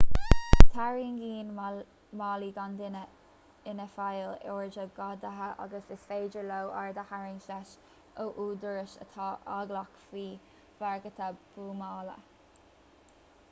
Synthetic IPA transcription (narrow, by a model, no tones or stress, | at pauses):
t̪ʰaɹiŋɡiːn | mɑːliɡand̪ɪnə | ɪnəfajlɛːɹd͡ʒəɡɑd̪əɦəʔa̰ɡəsɪsfeːd͡ʒəɹlowʔaɹd̪əhaɹɪŋʃɛʃ | oʔuːd̪əɹəʃə̰t̪ʰɑːʔaɡlakfiː | v̥aɹɡət̪ʰəb̥uːmɑːlə̰